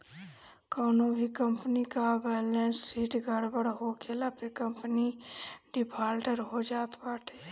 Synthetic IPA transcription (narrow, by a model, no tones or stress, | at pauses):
kɔːnobʱikə̃mpnikabɛːlẽːnsːiːʈɡʱəɽbəɽɦoːkʰelapekə̃mpniɖɪpʰaːlʈəɾɦod͡ʒaːt̪baːʈeː